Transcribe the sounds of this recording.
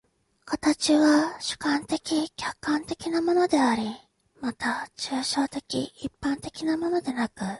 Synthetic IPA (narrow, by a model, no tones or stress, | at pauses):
kʰat̪at͡ɕiβaɕɨ̥kãnt̪e̞kʲikʲakːãnt̪e̞kʲinamo̞no̞d̪e̞aɾʲi | mat̪at͡ɕɨːɕo̞ːt̪e̞kʲḭipːãnt̪e̞kʲinamo̞no̞d̪e̞nakɯ̟